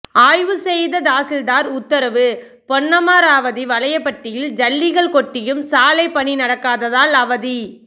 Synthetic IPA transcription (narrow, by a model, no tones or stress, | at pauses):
aːjʋɯsɛjðɐd̪aːsɪld̪aːɾʊt̪ːɐɾɐʋɯ | pɔɳːɐmaːɾaːʋɐðiʋɐlɐjɐpːɐʈːɪjɪld͡ʒɐlːɪɣɐɭkɔʈːɪjɯmsaːlɐɪpːɐɳinɐɽɐkːaːðɐðaːlɐʋɐði